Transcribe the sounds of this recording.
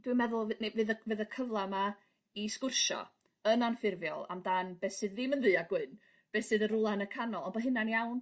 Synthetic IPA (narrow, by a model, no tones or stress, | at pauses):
d̥wɨmɛðʊlˠvnevɨːðəvɨːðəkʰəvlˠama | iskʊrʃɔ̰ | ənanfɪrvjɔ̰lˠa̰mdanb̥eːsɨðːiːmənðɨːaɡwɨn | b̥eːsɨðəɾʊlˠanəkʰanɔlˠɔnbɔɦɨnanjawn